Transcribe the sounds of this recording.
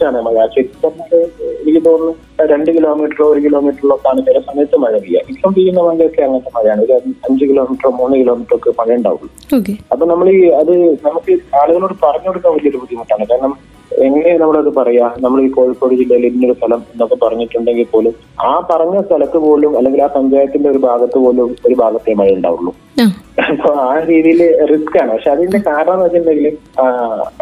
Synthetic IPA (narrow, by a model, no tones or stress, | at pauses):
aːɳɨemaːjaːt͡ɕeɾiɐɐɽeenikʲːɐt̪o̞ːnːɨ | ɾe̞ɳɖɨkiloːmiːʈːɐroːɾukilo̞ːmiːʈːɐruɭːokːaːɳɐt͡ɕːɐɾɐsɐnːet̪ːɨmɐɻɐʋija̰ːʔitːɐmpiːjunːɐmaːɡɐjokːeɐŋːɐntːemaːɾijaːɳɨiðɐɐɲd͡ʑɨkilo̞ːmiʈromːuːnːɨkiloːmiʈːrokːepɐɻɐjɳɖa̰ːʋṵɭːu | oːkeɐpːoːnɐmːɐɭiɐðɨnɐmukːɨaːluɣɐloːɽɨpɐrɐɲːoɽukːɐʋɐlijɐoɽupud̪ʱjɐmɐʈːaːɳɨkaːɾɐɳɐm | eŋːɐnenɐmːɐɭɐðɨpɐrɐjaːnɐmːɐɭikːo̞ːɻipːoːɽud͡ʑilːɐjiliðinːo̞ɾust̪ʰɐlɐme̞nːo̞kːepɐrɐɲːiʈːuɳɖe̞ŋɡilpo̞ːlum | aːpɐrɐɲːɐst̪ʰɐlɐt̪ːɨpo̞ːlumɐlːe̞ŋɡilaːpɐɲd͡ʑaːjɐt̪ːinde̞o̞ɾubʱaːɡɐt̪ːɨpo̞ːlumoɾubʱaːɡɐt̪ːemɐðijuɳɖa̰ːʋṵɭːṵ | ɐpːoːaːɾiːðijilriskaːɳɨpɐkʂe̞ɐðinde̞kaːɾɐɳɐmɐt͡ɕːndeŋɡil